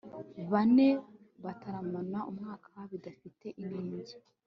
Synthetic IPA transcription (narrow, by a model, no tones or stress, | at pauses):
βane̞ | βataɾamanaʔumŋaːkʰaaβidafite̞ʔiniːɲɟi